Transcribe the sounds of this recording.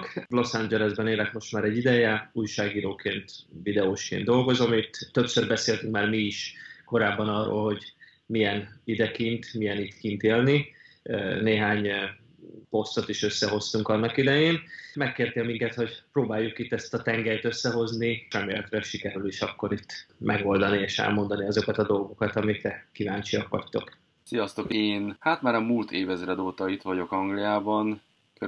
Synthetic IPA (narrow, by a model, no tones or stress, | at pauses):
klo̞saɲd͡ʒɛlɛzbɛneːlɛkmo̞ʃt̪maːɾɛɟːid̪ɛjɛuːjʃaːɡiːɾoːkʰeːnt̪vid̪ɛoːʃkḛːnd̪o̞lɡo̞zomit̪ːøpsørbɛseːlt̪yŋkmaːrmiiʃko̞ɾaːbːɒnɒrːo̰ːlɦo̞ɟ | mijɛnid̪ɛkint̪mijɛnit̪kint̪eːlni | neːɦaːɲ | po̞st̪o̞t̪iʃø̞sːɛɦo̞st̪uŋkɒnːɒkid̪ɛjeːnmɛkːeːrt̪eːlmiŋkɛt̪ho̞ɟproːbaːjːukit̪ːɛst̪ɒt̪ɛŋɡɛjt̪øsːɛɦo̞znirɛmeːlɛt̪rɛʃikɛɾyliʃɒkːo̞ɾit̪ːmʔɛ̰ɡo̞ld̪ɒnieːʃɛ̰lmo̞nd̪ɒniɒzo̞kɒt̪ɒd̪o̞lɡo̞kɒt̪ɒmikɾɛkivaːnt͡ʃijɒkʋɒ̰ct̪o̞̰k | sijɒst̪o̞keːnhat̪maːɾɒmult̪ʰeːvɛzɾɛd̪oːt̪ɒit̪ʋɒɟo̞kɒŋɡlijaːbɒn | kø